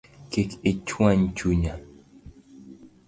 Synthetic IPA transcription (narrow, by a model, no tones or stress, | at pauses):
keket͡ʃwãɲt͡ʃuɲa